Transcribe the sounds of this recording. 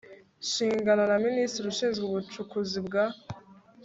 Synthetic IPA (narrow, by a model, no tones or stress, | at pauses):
ʃiːŋɡananaministɾiɾuʃiːnzɡuβut͡ʃukuzibɡa